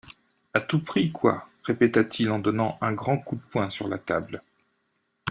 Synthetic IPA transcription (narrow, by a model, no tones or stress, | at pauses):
at̪upχikwa̰ʁepet̪at̪ʰilɑ̃d̪ɔnɑ̃ʔɛ̃ɡʁɑ̃kud̪əpwɛ̃syʁla̰t̪a̰bl